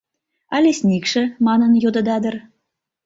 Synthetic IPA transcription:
ɑlʲesʲnʲikʃɘ̆mɑnɤ̆njod̪ɤ̆d̪ɑd̪ɤ̆r

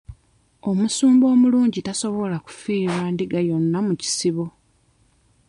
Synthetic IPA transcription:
o̞musuːmbo̞ːmuluːɲɟitaso̞βo̞laku̥fiːβaːndiɡajo̞nːamuci̥siβo̞

